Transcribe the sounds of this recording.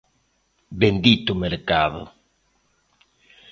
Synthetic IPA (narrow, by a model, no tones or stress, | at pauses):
bend̪it̪ʊmeɾkaðʊ̰